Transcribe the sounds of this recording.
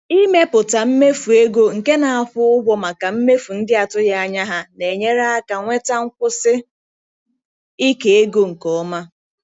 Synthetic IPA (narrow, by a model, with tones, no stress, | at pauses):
i˦me˦pʊ˨ta˨m̩˦me˦fu˨e˦ɡo˦ŋ̩˨ke˦na˨a˦˨fʊ˦ʊ˦ɦʷɔ˦ma˨ka˨m̩˦me˦fu˨n̩˦dɪ˦a˨tʊ˦ja˦a˨ɲa˦ɦa˦ne˨ɲe˦ɾa˦a˦ka˨ŋʷe˦ta˦ŋ̩˦kʷʊ˦sɪ˦ | i˦ke˨e˦ɡo˦ŋ̩˨kɔ˨˦ma˦